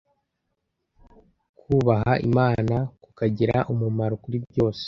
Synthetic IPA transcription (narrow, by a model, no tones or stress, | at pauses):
kuːβaɦaʔḭmaːnakukaɟiɾaʔumumaɾokuɾibɟo̞ːse̥